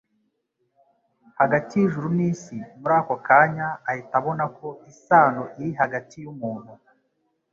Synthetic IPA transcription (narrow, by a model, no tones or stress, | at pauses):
haɡatijiʒuɾumiːsimuɾaːko̞kaːɲaːhitaβo̞nako̞isaːnoʔiɾiɦaɡatijumuːn̥hu